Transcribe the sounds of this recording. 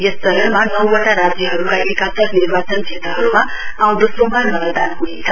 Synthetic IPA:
jʌssʌɾʌmanʌwʌʈaɾad͡zjʌɦʌɾukaekasʌknirbat͡sʌnt͡sʰet̪rʌɦʌɾuma | ãw̃d̪osobanmʌlʌd̪anɦunet͡sʰʌ

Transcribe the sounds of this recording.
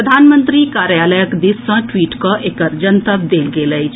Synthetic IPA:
ɾəd̪ʱaːnmənt̪ɾikaːɾjaːləjəkd̪issɐ̃ʈwiːʈkɔʔekəɾd͡ʒənt̪əbd̪eːlɡeːləjt͡ʃʰ

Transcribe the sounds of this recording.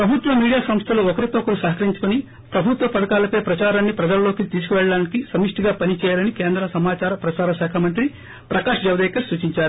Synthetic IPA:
pɾɐbʱut̪ʋɐmiːɽijaːsɐmst̪ʰɐluɔkɐɾit̪okːɐɾusɐɦɐkɐɾiɲt͡ʃu̥kuni | pɾɐbʱut̪ʋɐpɐɽɐkaːlɐpeːpɾɐt͡ʃaːɾaːnːipɾɐd͡ʒɐlɐlːo̞ːkit̪iːsu̥kuʋɛɭɐɽaːnikisɐmiʂʈiɡaːpɐnit͡ʃɛːjaːlɐnikeːnd̪ɾɐsɐmaːt͡ʃaːɾɐpɾɐt͡ʃaːɾɐʃaːkʰɐmɐnt̪̬ɾi | pɾɐkaːʂɐd͡ʒɐʋɐd̪ɛːkɐɾsuːt͡ʃiɲt͡ʃaːɾu

